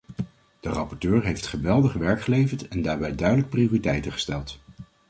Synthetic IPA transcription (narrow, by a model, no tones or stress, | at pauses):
d̥ərɑpɔɹtøːɹɦejftχəʋɛlˠdəχʋɛɹkχəlejvəɹtɛndaːɹbɛjdœɥdələk̚priʊːritɛjtəχə̥stɛlˠt